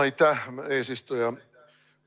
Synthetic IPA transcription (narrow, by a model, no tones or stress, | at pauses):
it̪æhmeːsist̪ojɑ